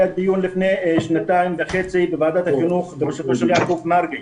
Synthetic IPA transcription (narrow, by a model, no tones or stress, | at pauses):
at̪̚d̪ijunlifnejʃnat̪aimvaχet͡sibevaːd̪at̪haχinuχbebeʃat̪oʃeljakovnaɾɡi